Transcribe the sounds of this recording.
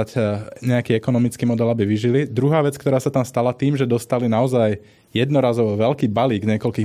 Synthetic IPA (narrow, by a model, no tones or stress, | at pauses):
acɲɛakiːɛkɔnɔmit͡skiːmɔd̪ɛlabiʋiʒilid̪ɾuɦaːʋɛt͡skt̪ɔɾaːsat̪amst̪alat̪iːmʒɛd̪ɔst̪alinaɔzaj | jɛd̪nɔɾaːzɔʋɔʋɛlkiːbaliːɡɲɪɛkɔlkiː